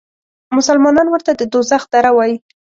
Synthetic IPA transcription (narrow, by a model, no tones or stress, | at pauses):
mʊsalmɑnɑnwəɾt̪ad̪əd̪ozaxd̪̥aɾawɑji